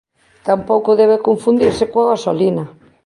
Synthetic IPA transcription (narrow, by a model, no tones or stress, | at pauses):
t̪ampowkoðeβekoɱfund̪iɾsekoaɣasolina